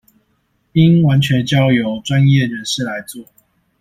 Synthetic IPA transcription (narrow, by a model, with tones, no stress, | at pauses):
i˦ŋwa˨˦nt͡ɕʰɥɛ˨˦nt͡ɕjɑ˥˦ʊjo˨˦ʊʈ͡ʂwa˦njɛ˥˨ɻə˨˦nʂɻ̩˥˩la˨˦ɪt͡swɔ˥˨